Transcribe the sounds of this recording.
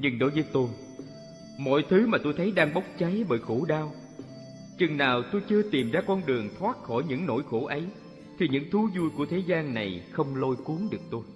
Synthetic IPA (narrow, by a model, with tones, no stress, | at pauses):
ɲɨ˧ŋɗo˨˦jvə˨˦jt̪o˧j | mɔ̰˧˨jt̪ʰɨ˨˦maː˨˩t̪o˧jt̪ʰə˨˦jɗaː˧ŋɓa˦˥wk͡p̚t͡ɕa˨˦jɓəː˧˩jxu˧˩ɗaː˧w | t͡ɕɨ˨˩ŋnaː˨˩wt̪o˧jt͡ɕɨ˧ət̪i˨˩mzaː˧kɔ˧nɗɨ˨˩əŋt̪ʰwaː˦˥t̚xɔ˧˩jɲɨ̰˧˥ŋno̰˧˥jxo˧˩ʔə˨˦j | t̪ʰi˨˩ɲɨ̰˧˥ŋt̪ʰu˨˦zu˧jku˧˩ət̪ʰe˨˦zaː˧nna˨˩jxə˧wŋ͡mlo˧jku˨˦əŋɗɨ˨˩ək̚t̪o˧j